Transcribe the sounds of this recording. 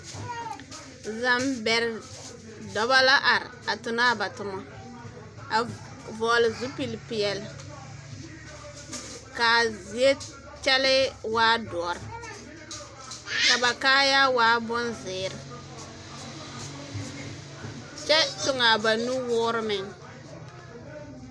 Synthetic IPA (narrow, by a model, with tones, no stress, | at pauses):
za˨mbɛ˨ɾɪ˨ | dɔ˨ba˦la˦ʔa˨ɾɪ̰˨a˨tʊ˨naː˦ba˨tʊ˨mɔ˦ | a˨ | vɔː˨lɪ˨zu˦pi˦lpɪ˨ɛ˨lɪ˨ | ka˨zi˨e˦ | t͡ʃɛ˦lɪ˦waː˦dɔ˨ɔ˨ɾɪ˨ | ka˨ba˨kaː˦ja˦waː˦bʊ˦nzɪː˨ɾɪ˨ | t͡ʃɛ˦tʊ˨ŋa˨ba˨nu˦wʊː˦ɾɪ˦mɪ˨ŋ